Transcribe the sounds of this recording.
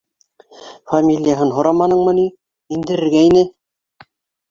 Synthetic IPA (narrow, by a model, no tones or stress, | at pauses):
famʲilʲijaɦɤnɦŏɾɑmɑnɤɴmɤ̆ni | ind̪ɘ̆ɾɘ̆ɾɡæinɘ